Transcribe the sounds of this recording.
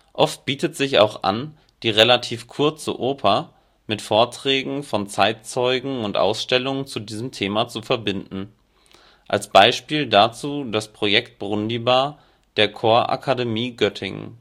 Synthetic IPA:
ʔɔft̚b̥iːtətz̥ɪça̰ʊxʔa̰n | d̥iːʁelatʰiːfkʰʊɐt͡sə̰ʔoːpʰɐ | mɪtfoːɐtʁ̥ɛːɡŋ̩fɔnt͡saɪtt͡sɔʏɡŋ̩ʊntʔa̰ʊsʃtɛlʊŋət͡sudiːzəmtʰeːmat͡sufɛɐbɪndn̩ | ʔa̰lsb̥aɪʃpiːldat͡suːdaspʁ̥ojɛkt̚b̥ʁʊndibaː | d̥eːɐkʰoːɐʔa̰kʰademiːɡœtʰɪ̰ŋ

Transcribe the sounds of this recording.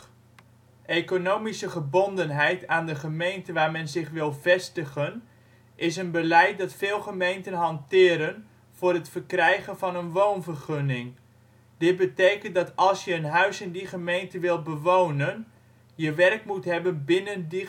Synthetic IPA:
ʔekonowmisəχəbondənɦɛjtʰaːndəχəmejntəʋaːrmɛnzɪχʋɪlˠvɛstəχən | ʔɪs̬ənbəlɛjt̚dɑtfɪːlˠχəmejntənɦɑntɪːɾən | v̥ʊːɾətfərkrɛjχənvɑnənʋownvərχønɪŋ | d̥ɪt̚bətejkənt̚dɑtɑlˠsjəənɦœɥsɪndiχəmejntəʋɪlˠbəʋownən | jəʋɛrk̚mutɦɛbənbɪnəndi

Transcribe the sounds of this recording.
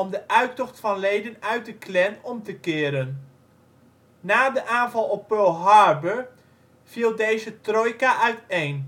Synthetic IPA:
ɔmdəʔœɥtɔχtfɑnlejdənœɥt̚dəklɛnɔmtəkɪːəɾən | aːdəʔaːnvɑlˠɔpːølˠɦɑɹbəɹ | v̥iːlˠdejzətrojkaʔœɥtejn

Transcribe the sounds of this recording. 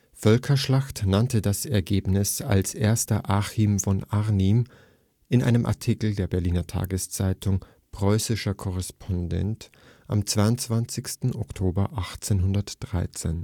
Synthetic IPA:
fœlkʰɐʃlaxtnantədasɛɐɡeːbnɪsa̰lsʔeːɐstɐʔaːximfɔnaʁnim | ʔɪnʔa̰ɪnəmʔa̰ɐtʰikl̩deːɐbɛɐliːnɐtʰa̰ːɡəst͡saɪtʰʊŋ | pʁ̥ɔʏsɪʃɐkʰɔʁ̞ɛspʰɔndɛ̰nt | ʔa̰mt͡sv̥aɪʊnt͡sv̥ant͡sɪçstn̩ʔɔktʰoːbɐʔaχt͡seːnɦʊndɐtd̥ʁa̰ɪt͡sḛːn

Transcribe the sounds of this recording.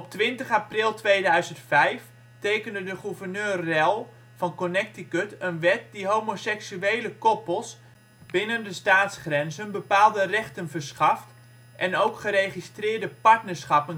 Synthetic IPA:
ɔp̚tʋɪntəχaprɪlˠtʋejdœɥzəntfɛjf | tejkəndədəχuvərnøːrːɛlˠ | fɑnkonɛk̚tikøtənʋɛt̚diɦoːmosɛksyejləkɔpəlˠs | bɪnəndəstaːtsχrɛnzənbəpaːlˠdərɛχtənvəɹsχɑft | ʔɛnowkχəɾejχistrɪːɹdəpaɹtnəɹsχɑpən

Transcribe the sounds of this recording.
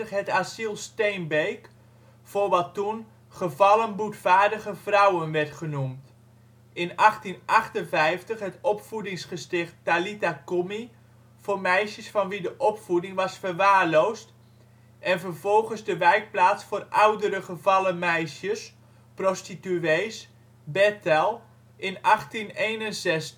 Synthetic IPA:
əχɦɛtasilˠstejnbejk | forʋɑtːun | χəvɑlənbutfaːɹdəɣəvrʌwənʋɛrtχənumt | ɪnɑχtinʔɑχtənvɛjftəχɦɛtɔpfudɪŋsχəstɪχtːalitakomi | foːrmɛjʃjəsfɑnʋidəʔɔpfudɪŋʋɑsfərʋaːrlowst | ʔɛnvərv̥ɔlˠχənzdəʋɛjk̚plaːtsfoːrawdəɾəχəvɑləmɛjʃjəs | prostityeːs | bɛtɛlˠ | ʔɪnɑχtineːnənzɛst

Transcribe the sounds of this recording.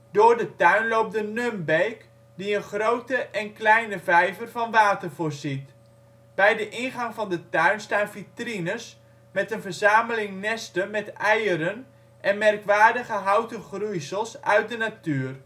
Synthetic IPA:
dʊːrdətœɥnlowp̚dənømbejk | diənχrowtəʔɛnklɛjnəvɛjvərvɑnʋaːtərvʊːɹzit | b̥ɛjdəʔɪnχɑŋfɑndətœɥnstaːnvitrinəs | mɛtənvərzaːməlɪŋnɛstəmɛtɛjəɾən | ʔɛnmɛrkʋaːdəɣəɦawtəχrujsəlˠsœɥt̚dənatyːər

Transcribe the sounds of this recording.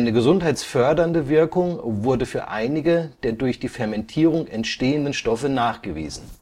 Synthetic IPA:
ʔɪnəɡəzʊnthaɪt͡sfœɐdɐndəvɪɐkʊŋvʊɐdəfyːɐʔaɪnɪɡəd̥eːɐdʊɐçd̥iːfɛɐmɛntʰiːʁʊŋɛntʃteːəndən̩ʃtɔfənaːχɡ̥əvḭːzn̩

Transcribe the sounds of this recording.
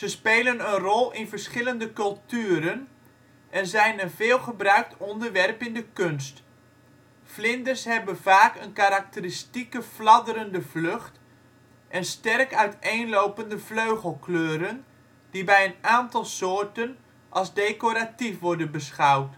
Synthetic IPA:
z̥əspeːlənənrɔlˠɪnvərsχɪləndəkɵlˠtyːɾən | ʔɛnzɛjnənvɪːlˠχəbrœɥk̚tɔndərʋɛrpɪndəkɵnst | flɪndərsɦɛbənv̥aːkənkaɾak̚təristikəflɑdəɾəndəvløχt | ʔɛnstɛrkœɥteːnlowpəndəfløɥχəlˠkløːɾən | d̥ibɛjənaːntɑlˠsoːɹtən | ʔɑlˠzdeːkoɾatifʋɔɹdənbəsχawt

